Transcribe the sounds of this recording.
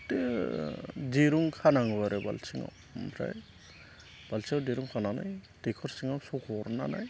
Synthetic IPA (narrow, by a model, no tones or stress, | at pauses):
te | diɾuŋkʰanaŋbaɾeba̰lsiŋa̰w | mʰɾa̰j | b̥alsʰiawdiɾuŋkʰanana̰jtekʰɔɾsiŋawsɔkʰɔɾna̰na̰j